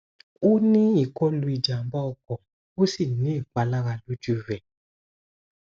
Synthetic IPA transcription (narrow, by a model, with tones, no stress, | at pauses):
o˦nĩ˦i˨kɔ˦lu˧i˨d͡ʒa˨m˨˦ba˦ɔ˧kɔ˨ | o˦si˦˨nĩ˨˦i˦˨k͡pa˨˦la˦ɾa˧lu˦d͡ʒu˦vɛ˨